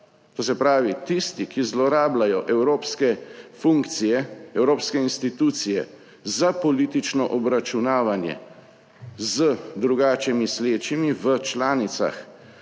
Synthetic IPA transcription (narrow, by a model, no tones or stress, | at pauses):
t̪oːs̬ɛpɾaːʋit̪ist̪ikizlɔɾaːblajɔʔɛwɾoːpskɛfuŋkt̪sijɛɛwɾoːpskɛinst̪it̪uːt̪sijɛ̰ | zapɔlit̪it͡ʃnɔʔɔbɾat͡ʃunaːʋanjɛ̰ | zəd̪ɾuɡaːt͡ʃɛmisleːt͡ʃimiʋət͡ʃlaːnit̪sa̰x